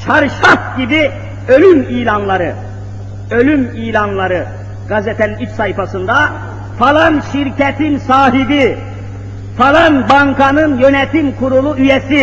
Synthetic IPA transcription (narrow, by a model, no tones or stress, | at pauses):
ʃʰaɾʃafɟibi | ø̞lymiːlʲanlˠaɾɯ | ø̞lʲymiːlʲanlˠaɾɯ | ɡ̥azɛt̪ʰɛninit͡ʃsajfasɯnd̪a | falˠanʃiɾcɛt̪ʰinsaːɦib̪i | falˠanbaŋkʰanɯnjø̞nɛt̪ʰimkʰuɾulˠuyjɛsi